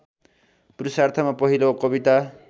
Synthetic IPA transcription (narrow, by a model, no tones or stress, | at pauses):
prusart̪ʰʌmapʌɦilokʌbit̪a